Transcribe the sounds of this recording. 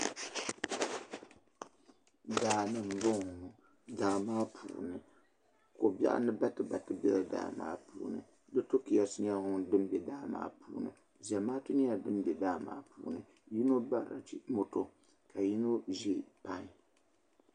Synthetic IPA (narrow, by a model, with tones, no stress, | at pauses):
daː˨nɨ˦m̩˨bo˦ŋ˨ | daː˨maː˦pʰṵː˨nɨ˨ | ko˨ba̰˦ʔa̰˦nɨ˦ba˦tɨ˨ba˨tɨ˦˨bɛ˦lda̰ː˨ma̰ː˦pṵː˦˨nɨ̰˨ | dɨ˦to˦ki˦a˦sɨ˦ɲa˦ʊ˦ŋ˦˨dɨ˦m˦bɛ˨daː˦ma̰ː˦pṵː˨˦nɨ̰˨ | za˨maː˦tu˦ni˦a˨dɨ˦m˦bɛ˨daː˦˨ma̰ː˦pṵː˦nɨ˨ | ji˦no˦ba̰˦˨ɾa̰˨t͡ʃi˦mo˦to˦ | ka˨ji˦no˦ʒi˦˨pa˦ŋ˨